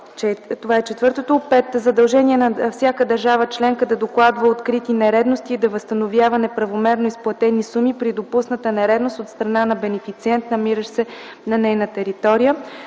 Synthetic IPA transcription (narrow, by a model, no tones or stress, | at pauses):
t͡ʃɛt̪ovaɛt͡ʃɛt̪vɤɾt̪ot̪opɛt̪zɐd̪ɐlˠʒɛniɛnɐfsʲjakəd̪ɐɾʒavət͡ʃlɛŋkəd̪ɐd̪oklˠad̪vəot̪kɾit̪inɛɾɛd̪nost̪iːd̪ɐvəst̪ɐnovjavɐnɛpɾɐvomɛɾnoisplˠɐt̪ɛnisumipɾid̪opusnət̪ənɛɾɛd̪nost̪ot̪st̪ɾɐnanɐbɛnɛfit̪siɛnt̪nɐmiɾəʃsɛ | nɐnɛjnət̪ɛɾit̪ɔɾijə